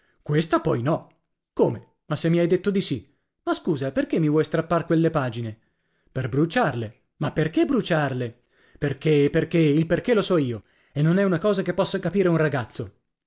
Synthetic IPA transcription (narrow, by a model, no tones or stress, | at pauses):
kwest̪apɔjnɔ | koːme | masːemːiajd̪et̪ːod̪isi | maskuːzaperkemːivwɔjst̪ɾapːarkwelːepaːd͡ʒine | perbɾut͡ʃarle | mapːerkebɾut͡ʃarle | perkeperk̟eilperk̟elosɔiːo | enːonɛunakɔːzakepːɔsːakapiːɾeunraɡat̪sːo